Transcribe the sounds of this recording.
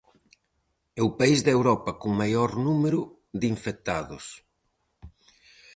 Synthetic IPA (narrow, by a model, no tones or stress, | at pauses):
ɛwpaizðewɾɔpɐkoŋmajɔɾnumeɾʊ | ðiɱfek̚t̪aðʊs